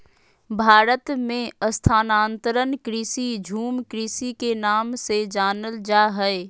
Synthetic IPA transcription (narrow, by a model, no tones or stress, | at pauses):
bʱaːɾət̪mẽəst̪ʰaːnaːnt̪əɾənkɾisid͡ʒʱuːmkɾisikenaːmsed͡ʒaːnəld͡ʒaːɦɛe